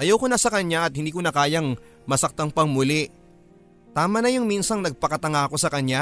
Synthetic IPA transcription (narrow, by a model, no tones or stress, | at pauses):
ʔɐjɐwkonɐsɐkɐɲaʔɐt̪̚hɪnd̪iːkonɐkaːjɐŋ | mɐsɐk̚t̪ɐŋpɐŋmʊlɛ | t̪aːmɐnɐjʊŋmiːnsɐŋnɐɡ̚pɐkɐt̪ɐŋaɐko̞sɐkɐɲa